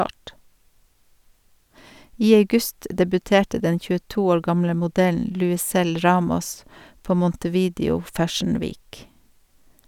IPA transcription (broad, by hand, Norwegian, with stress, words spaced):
ˈiː ɑʉˈɡʉst dɛbʉˈteːʈə ˈdɛ çʉəˈtuː ˈoːɾ ˈɡɑmlə mʊˈdɛln lʉɪˈsɛl ˈɹɑːmɔs ˈpoː mɔntəˈʋiːdɪʊ ˈfæʃɳ̩ ˈʋiːk